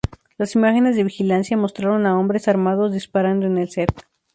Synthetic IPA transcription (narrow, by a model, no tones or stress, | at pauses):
lasimaxe̞ne̞zðe̞βixilansjamo̞st̪ɾaɾo̞nao̞mbɾe̞saɾmað̞o̞zðispaɾand̪oene̞lseɾk